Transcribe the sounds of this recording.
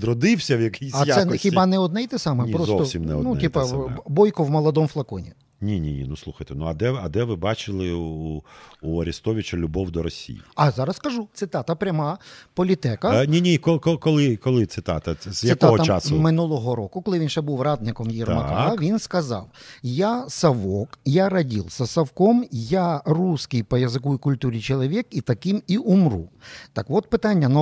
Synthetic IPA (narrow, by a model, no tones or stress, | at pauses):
ɾɔd̪ɪwsʲɐwjɐkijsɐj̪ɛxʲibɑnɛɔd̪nɛjt̪ɪsɑmɛpɾɔzɔt̪ɔsʲimnɛɔnuɛip̪ɐbɔjkʊwmɔlˠɔd̪ɔmflˠɐkɔnʲi | nʲinʲinʲḭnuslˠuxɐjt̪ɛnuɐd̪ɛɐd̪ɛʋɪbɑt͡ʃɪlˠɪuuɐɾʲist̪ɔʋʲɪt͡ʃɐlʲʊbɔwd̪ɔɾɔsʲḭjiɐzɑɾɐskɐʒut̪sɪt̪ɑt̪ɐpɾʲɐmɑpɔlʲit̪ɛkɐnʲinʲikɔkɔkɔlˠɪkɔlˠɪt̪sɪt̪ɑ̰t̪ɐj̪ɐɪk̪aɔɐt͡ʃasmɪnulˠɔɦɔɾɔkʊkɔlˠɪʋʲinʃɛbuwrɑd̪nɪkɔmjirmɐkaʋʲinskɐzɑ̰wjasɐʋɔkjaɾɐdʲilˠsɐsɐwkɔmjaruskɪjpɔjɐzɪkuikʊlʲt̪uɾʲit͡ʃɔlˠɔʋʲikit̪ɐkɪmiʔumrṵt̪ɐkʋɔt̪pɪt̪ɑnʲːɐnɔ